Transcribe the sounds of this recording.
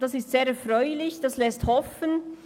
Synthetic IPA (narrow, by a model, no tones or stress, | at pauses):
d̥asɪstseːɾɛfʁɔʏlɪçd̥aslɛsthɔfən